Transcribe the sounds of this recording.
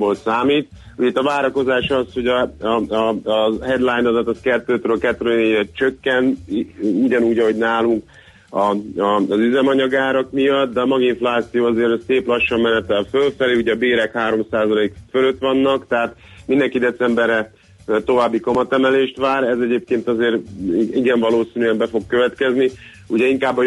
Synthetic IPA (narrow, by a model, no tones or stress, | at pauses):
bolsaːmiːt̪ | uɟɛit̪ːɒvaːɾɒko̞zaːʃɒsho̞ɟɒ | ɦɛd̪lajnɒd̪ɒt̪ːɒskɛt̪ːøːt̪ɾøːkɛt̪ːɾøeːɛt̪t͡ʃøkːɛn | uɟɒnuːɟɒɦo̞ɟnaːluŋk | ɒɒzyzɛmɒɲɒɡaːɾɒkmijɒt̪̚d̪ɛɒmɒɡiɱflaːt̪sijoːɒzeːɾseːplɒʃːɒmːɛnɛt̪ɛlfølfɛleːuɟɛɒbeːɾɛkhaːɾo̞msaːzɒleːkføløt̪ʋɒnːɒkt̪ɛɦaːt̪mind̪ɛŋkid̪ɛt̪sɛmbɛɾɛ | t̪o̞vaːbːikomɒt̪ɛmɛleːʃt̪ʋaːɾɛzɛɟeːp̚keːnt̪ɒzeːɾiɡɛɱvɒloːsinyɛmbɛfo̞kːø̞vɛt̪kɛzni | uɟɛiŋkaːbːɒ